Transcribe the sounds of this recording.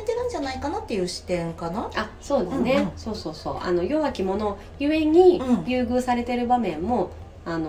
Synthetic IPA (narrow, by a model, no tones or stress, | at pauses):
et̪e̞ɾɯ̟̃ɲ̟d͡ʑanaikanat̪ːejɯ̟ːɕi̥t̪ẽ̞ŋkanaaso̞ːd̪esɨne̞so̞ːso̞ːso̞̰ːʔa̰no̞jo̞βakʲimo̞no̞ | jɯ̟e̞ɲ̟ijʲɯːɡɯ̟ːsaɾe̞t̪e̞ɾɯ̟bamẽ̞mːo̞ | ano